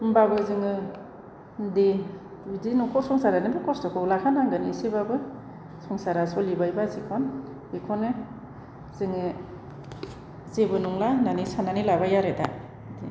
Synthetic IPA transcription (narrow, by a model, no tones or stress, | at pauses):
mbabɯzɯŋɯ | de | dinukʰɔsɔŋsaɾanɯbɯkɔstɔkʰɔlakʰanaŋɡɯnisebabɯ | sɔŋsaɾasɔlibajbazikʰɔn | bikʰɔnɯ | z̥ɯŋɯ | zebɯnuŋlananisananilabajaɾeta̰ | di